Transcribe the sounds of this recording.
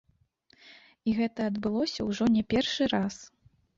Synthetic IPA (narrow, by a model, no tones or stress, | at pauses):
iɣɛt̪ɐɐd̪bɨlˠɔsʲɐwʐɔnʲɛpʲɛrʂɨɾas